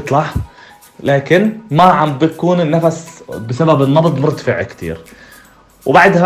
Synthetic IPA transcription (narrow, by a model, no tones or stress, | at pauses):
t̪ˤlɑħ | laːkɪnmaʕambjakuːnɪnːafasbɪsababɪnːɑbd̪ˤmʊɾt̪fɪʕkt̪ʰḭːɾ | wbaʕd̪ha